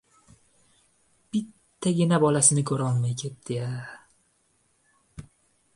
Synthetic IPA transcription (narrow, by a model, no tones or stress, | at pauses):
b̥ɪt̪ʰːaɡʲɪnabɒlasɪnɪkʲʰɵɾɒlˠmajkʲʰe̞t̪̚d̪̥ɪa